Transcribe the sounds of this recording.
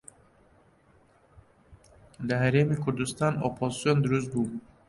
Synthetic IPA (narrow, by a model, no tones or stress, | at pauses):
d̪aɦæɾemikʰuɾd̪ust̪ɑnopʰozisijond̪uɾus̬t̪̚bu